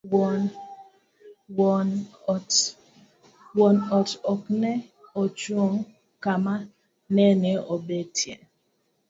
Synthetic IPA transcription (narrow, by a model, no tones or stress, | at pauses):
wɔn | wɔnt | wɔnɔtɔknɛot͡ʃuoŋ | kama | nɛneobetʰjɛ̰n